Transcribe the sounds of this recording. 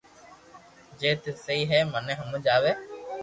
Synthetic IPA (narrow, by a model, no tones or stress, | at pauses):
d͡ʒeːt̪eːsəiːɦeːmənẽːɦəməd͡ʒaːʋeː